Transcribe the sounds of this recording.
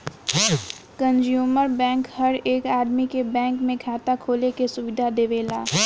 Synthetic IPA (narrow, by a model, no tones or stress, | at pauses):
kə̃nd͡ʒjuːməɾbɛ̃ːŋkhɐɾeːkaːd̪mikebɛ̃ːŋkmẽkʰaːt̪akʰoːlekesʊʋɪd̪ʱad̪eːʋeːlaː